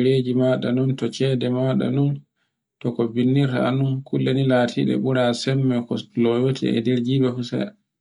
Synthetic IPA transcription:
ɾeːd͡ʒimaɗanuntɔt͡ʃɛːdɛmaɗa̰nun | tɔkɔbinːiɾta̰a̰nunkulːɛnilaːtʰiɗɛ̰ɓuɾasɛmːɛkɔlɔwotʰḭɛ̰dɛɾd͡ʒiːɓɛfusɛ̰j

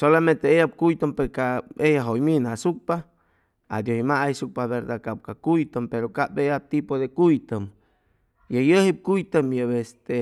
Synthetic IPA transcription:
solament̪eejap̚kujt̪ampekaejaɦojminasuk̚pa | a̰d̪johimaajsuk̚paβeɾd̪akap̚kakujt̪əmpeɾokapejat̪ipoðekujt̪əm | jajəhip̚kujt̪amjəbest̪e

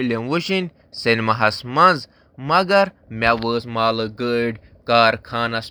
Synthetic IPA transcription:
lʲenwuʃinʲ | senʲmɐɦɐsmɐnz | mɐɡɐɾ | mʲaʋəːsmaːlɨɡəɖ | kaːɾkʰaːnɐs

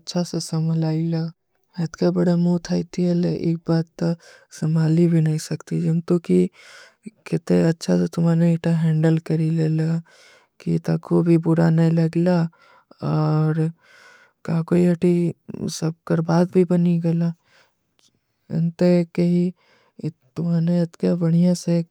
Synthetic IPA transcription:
tːʃʰasesəmʱlaːila | ət̪kabəɽamut̪ʰat̪iɛleʔḛːk̚baːt̪ːə | səmʱaːlibʱinɐɦĩsəkt̪id͡ʒəmt̪oki | kɪt̪eətːʃʰaset̪ʊmaneeʈaɦɛ̃ːɳɖəlkəɾilela | kḭt̪akobʱibʊɾanɐɦĩlɐɡla | ɔːɾ | kaːkoiɐʈʰisəb̚kəɾbaːd̪̚bʱibɐniɡɐla | ɪ̰nt̪ekeɦi | t̪ʊmaːneɐt̪kabɐɽ̤ijãse

